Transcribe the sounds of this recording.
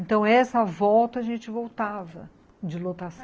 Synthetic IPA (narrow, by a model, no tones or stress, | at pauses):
ent̪ɐ̃w̃ɛsɐvɔwt̪ɐɐʒẽnt͡ʃɪvowt̪avɐ̰ | d͡ʒɪlot̪as